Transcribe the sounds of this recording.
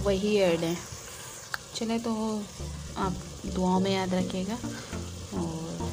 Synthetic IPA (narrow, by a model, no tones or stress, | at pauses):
ʋɐɦieːɾɖɦɛ̃ː | t͡ʃɐlet̪oʋo | aːp | d̪ʊaːõmẽjaːd̪ɾɐkʰeːɡaː | ɔːɾ